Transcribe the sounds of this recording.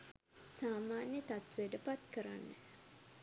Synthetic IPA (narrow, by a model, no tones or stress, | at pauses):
saːmaːnjət̪at̪ʋeɖəpat̪kəɾanːə